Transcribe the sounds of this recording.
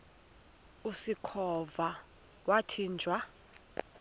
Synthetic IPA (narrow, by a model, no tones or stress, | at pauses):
usikʰɔva | watʰiːnd͡ʒʱwa